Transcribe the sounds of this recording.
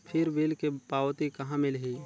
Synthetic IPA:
pʰɪɾʋilkepaːwt̪ikɐɦãmɪlɦiː

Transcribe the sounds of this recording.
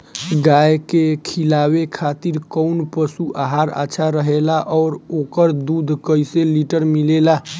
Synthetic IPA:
ɡajkekʰilawekʰat̪iɾkɔnpəsuʔaɦaɾa̰ːʃʰaɾəɦelaʔɔːɾokəɾd̪ud̪ʱkəjseliʈəɾmilela

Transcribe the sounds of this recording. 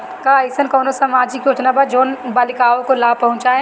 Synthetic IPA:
kaəɪsənkɐːnosamad͡ʒikjoːʈnabad͡ʒoːnbaːlɪkaːõkolaːpɐɦʊ̃nt͡ʃaːe

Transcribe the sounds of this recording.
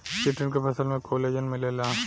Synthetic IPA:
sɪʈənkepʰɐsəlmẽkoːleːd͡ʒənmɪleːlaː

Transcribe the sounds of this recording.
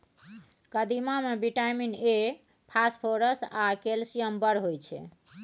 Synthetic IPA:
kəd̪imamebiʈajmine | pʰaspʰoɾəsakelsijəmbəɾɦojt͡ʃʰɛ̰

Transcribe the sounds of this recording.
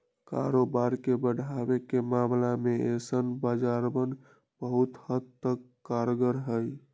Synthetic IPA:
ka̰ɾobaɾkebəɽ̤ʱabekemamlameesənbad͡ʒaɾbən | bəɦut̪həd̪t̪ək | kːaɾɡəɾɦəj

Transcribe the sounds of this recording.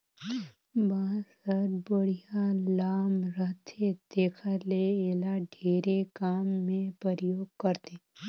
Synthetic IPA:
baːsəɾbəɽ̤ijalaːmɾəɦt̪ʰed̪eːkʰaleeːlaɖʱeːɾekaːmːẽpəɾəjoːɡ̚kəɾt̪e

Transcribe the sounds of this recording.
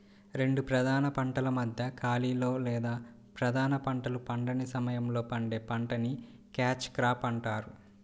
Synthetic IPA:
ɾe̞ɳɖupɾɐd̪ʱaːnɐpɐɳʈɐlɐmɐd̪ʱjɐkaːliːlo̞ːlɛːd̪aː | pɾɐd̪ʱaːnɐpɐɳʈɐlupɐɳɖɐnisɐmɐjɐmlo̞ːpɐɳɖe̞ːpɐɳʈɐni | kaːt͡ʃkɾaːpɐɳʈaːɾu

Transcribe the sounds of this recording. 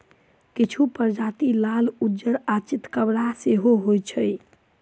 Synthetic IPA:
kit͡ʃʰupəɾd͡ʒat̪ilalud͡ʒəɾat͡ʃit̪kəbɽaseɦoɦojt͡ʃʰəj

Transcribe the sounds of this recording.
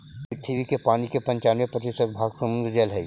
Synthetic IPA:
ɪt̪ʰːiʋikepaːnikepɐ̃ɲt͡ʃaːnʋepɾɐt̪isəbʱaːɡsɐmʊ̃nd̪ɾd͡ʒelɦɛi

